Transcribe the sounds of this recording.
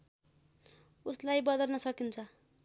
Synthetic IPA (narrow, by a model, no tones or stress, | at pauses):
uslajbʌd̪ʌrnʌsʌkint͡sʰʌ